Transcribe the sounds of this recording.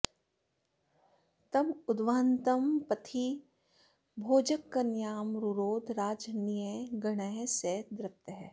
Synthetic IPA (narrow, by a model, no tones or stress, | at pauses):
t̪ɐmʊd̪ʋaːnt̪əmpɐt̪ʰi | bʱoːd͡ʒəkːɐnjaːmɾuɾoːd̪ɾaːd͡ʒnijəjɡɐɽ̃əjseːd̪ɾɐk̚t̪əɦɛː